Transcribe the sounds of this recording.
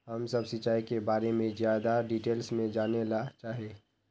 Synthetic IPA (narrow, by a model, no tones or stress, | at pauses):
həmsɐbsɪt͡ʃaːikebaːɾemẽzjaːd̪aɖiʈeːlsmẽd͡ʒaːnelat͡ʃaːɦieː